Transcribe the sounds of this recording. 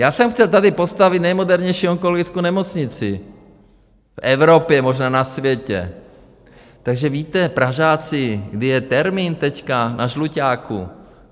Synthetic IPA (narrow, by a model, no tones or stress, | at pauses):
jaːsɛmxcɛlt̪adɪpo̞st̪avɪt̪nɛjmo̞dɛɾɲɛjʃiːoŋkoloɡɪt͡skownɛmo̞t͡sɲɪt͡sɪ | fʔɛvɾo̞pjɛmo̞ʒnaːnasvjɛcɛ̰ | t̪aɡʒɛviːt̪ɛpɾaʒaːt͡sɪɡdɪjɛt̪ɛɾmiːnt̪ɛckanʔaʒlucaːkṵ